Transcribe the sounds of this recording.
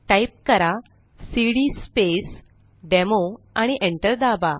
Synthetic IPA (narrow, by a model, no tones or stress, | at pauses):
ʈaip̚kəɾa | siɽispes | ɖɛmo | aɽ̃iʔẽɳʈəɾd̪aba